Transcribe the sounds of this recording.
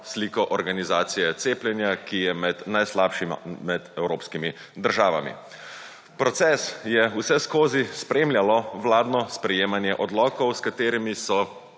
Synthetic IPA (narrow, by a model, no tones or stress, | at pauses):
sliːkɔʔɔɾɡanizaːt̪sijɛt̪seːplʲjɛnjakijɛmɛd̪najslaːpʃim̰mɛd̪ɛwɾoːpskimi | d̪əɾʒaːʋa̰mḭ | pɾɔt̪sɛsjɛusɛskoːzispɾeːmlʲjalɔʋlaːd̪nɔspɾɛjeːmanjɛʔɔd̪lɔːkɔwskat̪eːɾimisɔ